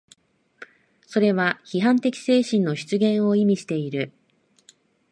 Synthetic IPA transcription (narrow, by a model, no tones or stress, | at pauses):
so̞ɾe̞βaçiɦãnt̪e̞kʲi̥se̞ːɕĩnːo̞ɕi̥t͡sɨɡẽ̞ɰ̃o̞imʲiɕi̥t̪e̞iɾɯ̟